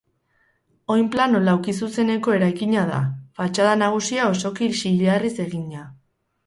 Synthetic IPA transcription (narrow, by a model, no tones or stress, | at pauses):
o̞jmplano̞lawkisuse̞ne̞ko̞e̞ɾajkiɲað̞a̰fat͡ʃaðanaɣ̞usiao̞so̞kiʃiʎearise̞ɣiɲa